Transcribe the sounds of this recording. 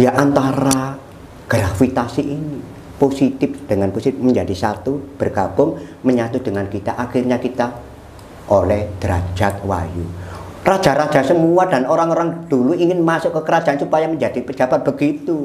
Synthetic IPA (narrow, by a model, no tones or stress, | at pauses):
jaʔant̪aɾa | ɡ̥ɾafit̪asiʔini | posit̪ɪfd̥əŋanposit̪ɪməɲd͡ʒadisat̪ub̥ərɡ̥ab̥ʊŋməɲat̪ud̥əŋankit̪aʔaxirɲakit̪a | ʔolɛhd̪̥əɾa̰̥d͡ʒat̪̚wa̰jṵ | rḁd͡ʒ̥a̤ɾad͡ʒ̥asəmuadanoɾaŋoɾaŋd̥uluiŋɪnmasʊʔkəkəɾad͡ʒaansupajaməɲd͡ʒad̥ipə̥d͡ʒab̥at̪̚b̥əɡit̪u